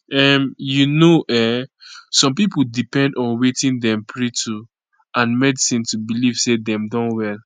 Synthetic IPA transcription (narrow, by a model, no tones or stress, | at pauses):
ɛmjunoʔɛ | sɔ̃mpipudipɛ̃ndɔ̃nwetĩndɛ̃mpʰɹitʰu | ãnmɛdisĩntubiliv̥sedɛ̃mdɔ̃nwɛl